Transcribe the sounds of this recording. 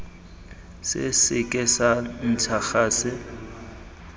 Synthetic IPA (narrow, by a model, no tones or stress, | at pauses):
sɪ̰sɪkʼɪsan̩tʰaxaːsɪ